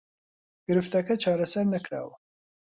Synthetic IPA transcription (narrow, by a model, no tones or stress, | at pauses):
ɡ̥ɨɾɨft̪ɐkɐt͡ʃʰɑːɾɐsɐɾnɐkɾa̰ːwɐ